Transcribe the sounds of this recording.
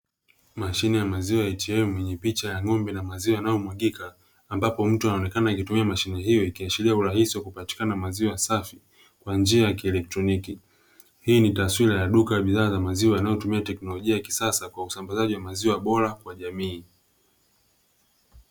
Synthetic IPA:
maʃinɛjamaziwajaitiɛmwɛɲɛpit͡ʃajaŋɔmbɛnamaziwajanajɔmwaɠikaː | mbapɔm̩tuanaɔnɛkanaikitumiamaʃinɛɦijɔikiaʃiɾiauɾahisiwakupati̥kanamaziwajasafi | kwand͡ʒiajakiɛlɛk̚tɾɔniki | hiːnitaswiɾajaɗukajaɓiðaːzamaziwajanajɔtumiatɛknɔlɔʄiajaki̥sasakwausambazaʄiwamaziwaɓɔɾakwaʄamiː

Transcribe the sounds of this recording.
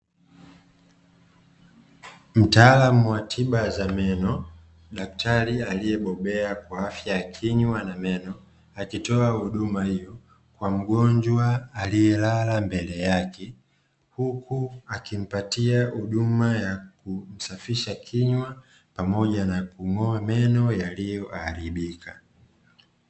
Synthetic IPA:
m̩taːlamuwatʰiɓazamɛnɔ | ɗak̚tʰaɾialijɛɓɔɓɛakwaafjajakʰiɲwanamɛnɔ | akitɔahuɗumahijɔ | kwam̩ɡɔɲd͡ʒwaːlijɛlalambɛlɛjakʰɛ | hukuakim̩patiahuɗumajakum̩safiʃakʰiɲwa | pamɔʄanakuŋɔamɛnɔjalijɔʔaɾiɓikʰa

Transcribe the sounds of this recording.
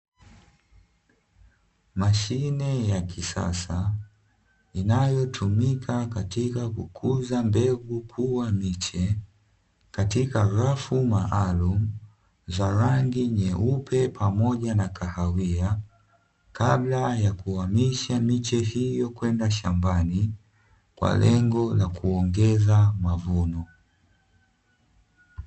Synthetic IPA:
maʃinɛjakisa̰sa | inajɔtʰumikʰakatikakukʰuzambɛɡukʰuwamit͡ʃɛ | katikaɾafumaʔalum̩ | zaɾaŋɡiɲɛʔupʰɛpʰamɔʄanakahawia | kablajakuwamiʃamit͡ʃɛhijɔkwɛndaʃambani | kwa̰lɛŋɡɔlakuɔŋɡɛzamavunɔ

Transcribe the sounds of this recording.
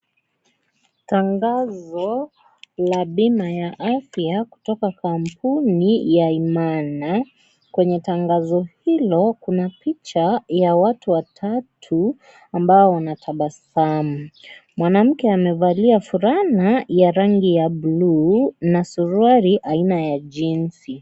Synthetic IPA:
taŋɡazɔ | laɓimajaʔafjaku̥tɔkakʰampunijaimana | kwɛɲɛtaŋɡazɔhilɔkunapit͡ʃajawatuwatʰatʰu | ambaɔwanatʰaɓasamumwanam̩kɛamɛvaliafuɾanajaɾaŋɡijablunasuɾuaɾiʔainajaʄinsi

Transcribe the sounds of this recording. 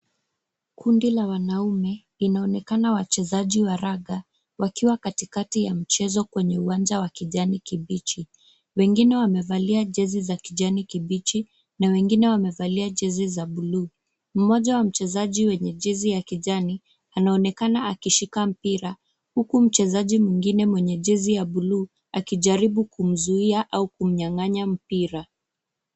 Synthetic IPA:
kʰundilawanaumɛlinaɔnɛkanawat͡ʃɛzaʄiwaɾaɠa | wakiwakatikatijam̩t͡ʃɛzɔkwɛɲɛuwand͡ʒawakiʄanikiɓit͡ʃi | wɛŋɡinɛwamɛvaliaʄɛzizakiʄanikiɓit͡ʃi | nawɛŋɡinɛwamɛvaliaʄɛzizaɓuluː | m̩mɔʄawam̩t͡ʃɛzaʄiwɛɲɛʄizijakiʄani | anaɔnɛkanaakiʃikam̩piɾa | hukum̩t͡ʃɛzaʄimwiŋɡinɛmwɛɲɛʄɛzijaɓuluː | akiʄaɾiɓukum̩zuiaʔaukum̩ɲaŋaɲam̩piɾa

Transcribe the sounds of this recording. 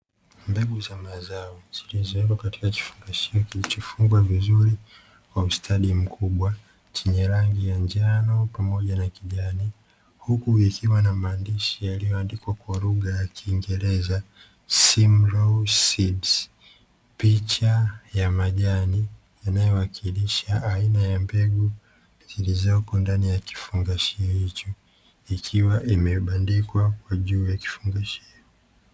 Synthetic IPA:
mbɛɡuzamazaɔz̥ilizɔɛkwakati̥kaki̥fuŋɡaʃiɔkilit͡ʃɔfuŋɡwavizuɾi | kwaustʰaɗim̩kʰuɓwa | t͡ʃɛɲɛɾaŋɡijand͡ʒanɔpamɔʄanakiʄani | hukuikiwanamaːndiʃijalijɔandikwakwaluɠajakʰiːŋɡɛɾɛza | simɾɔsibs | pit͡ʃajamaʄani | janajɔwakʰiliʃaːinajambɛɡu | zilizɔkɔndanijaki̥fuŋɡaʃihit͡ʃɔ | ikʰiwaʔimɛɓandikwakwaʄuːjaki̥fuŋɡaʃh | ɔ

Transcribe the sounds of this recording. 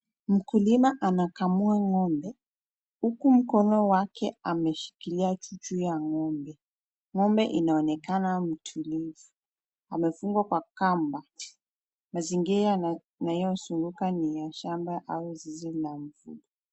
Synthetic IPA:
m̩kulimaʔanakamuaŋɔmbɛ | hukum̩kɔnɔwakɛamɛʃi̥kiliat͡ʃut͡ʃujaŋɔmbɛ | ŋɔmbɛ̰ʔinaɔnɛkanam̩tʰulivu | amɛfuŋɡwakwakamba | maziŋɡiɾa | najɔsuŋɡukanijaʃambaʔauzizilaɱ̩vṵɗɔ

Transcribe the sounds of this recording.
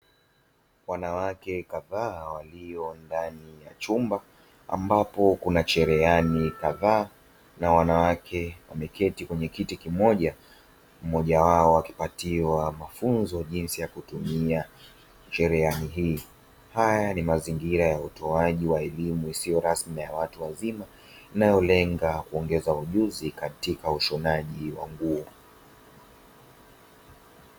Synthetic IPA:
wanawakɛkaðaːwaliɔndanijat͡ʃumba | a̰mbapɔkunat͡ʃɛɾɛanikaðaː | nawanawakʰɛwamɛkʰɛtikwɛɲɛkitikimɔʄa | m̩mɔʄawaɔwaki̥patiwamafunzɔʄinsijakutumia | ʃɛɾɛaniɦiː | hajanimaziŋɡiɾajautɔaʄiwaɛlimuisijɔɾasmijawatuwazima | inajɔlɛŋɡakuɔŋɡɛzauʄuzikatikauʃɔnaʄiwa̰ŋɡuɔ

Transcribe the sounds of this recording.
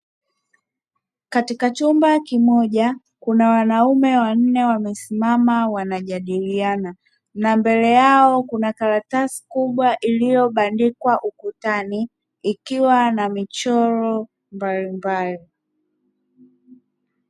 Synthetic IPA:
katikat͡ʃumbakimɔʄa | kunawanaumɛwan̩nɛwamɛsimamawanaʄaɗiliana | nambɛlɛjaɔkunakaɾatasi̥kuɓwaʔilijɔɓandikwaʔukutaniː | kiwanamit͡ʃɔɾɔ | mbalimbali

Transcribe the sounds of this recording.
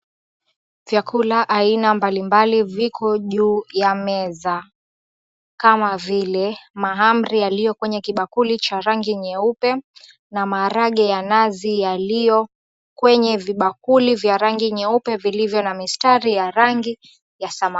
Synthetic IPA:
vjakʰulaʔainambalimbalivikʰɔʄuːjamɛza | kamavilɛmaɦamɾijalijɔkwɛɲɛkiɓakulit͡ʃaɾaŋɡiɲɛupɛ | namaːɾaɠɛjanazijalijɔ | kwɛɲɛviɓakulivjaɾaŋɡiɲɛupɛvilivjɔnamistaɾijaɾaŋɡi | jasama

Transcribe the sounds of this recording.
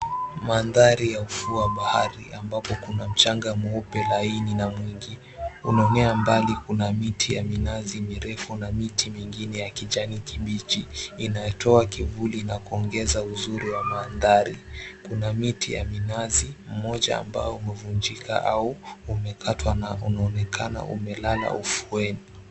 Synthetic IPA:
manðaɾijaufuaɓahaɾiʔambapɔkunam̩t͡ʃaŋɡamɔpɛlaininamwiŋɡi | unaɔnɛambalikunamitʰijaminazimiɾɛfunamitʰimiŋɡinɛjakiʄanikiɓit͡ʃiːnajɛtʰɔakivulinakuɔŋɡɛzauzuɾiwamaːnðaɾikunamitʰija̰minazim̩mɔʄa̰a̰mba̰jɔumɛvund͡ʒika̰ʔauːmɛkʰatʰwanaunaɔnɛkʰana̰ʔṵmɛlala̰ufuɛni

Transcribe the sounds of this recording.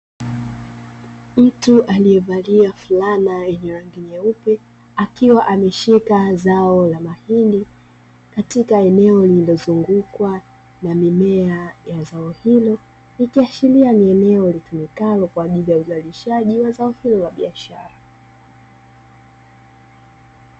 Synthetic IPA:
m̩tuʔalijɛvaliafulanajɛɲɛɾaŋɡiɲɛupɛ | akiwaʔamɛʃikazaɔlamahindi | katikaɛnɛɔlililɔzuŋɡukwa | namimɛajazaɔhilɔ | nikiaʃilianiɛnɛɔlitumikalɔkwaːʄilijauzaliʃaʄiwazaɔhilɔlaɓiaʃaɾa

